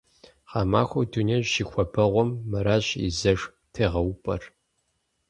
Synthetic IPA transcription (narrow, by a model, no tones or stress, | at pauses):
χɑːma̰ːxʷɐwdʰuneɕʃixʷɔbɐʁʷɔmːɐɾaːɕḭzɐʂ | tʰeːʁɐwpʼɐ̰r